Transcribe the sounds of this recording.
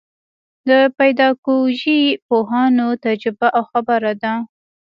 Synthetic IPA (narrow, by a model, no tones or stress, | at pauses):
d̪əpajd̪ɑkoʒipoɦɑnot̪ad͡ʒɾɪbaʔawxabaɾad̪a